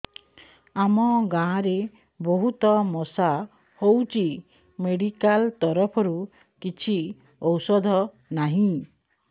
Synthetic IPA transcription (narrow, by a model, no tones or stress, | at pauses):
amɔɡãːɾe | bɔɦut̪ɔmɔsa | howt͡ʃi | meɽikalt̪ɔɾɔpʰɔɾu | kit͡ʃʰi | ɔwsɔd̪ʱɔ | naɦĩ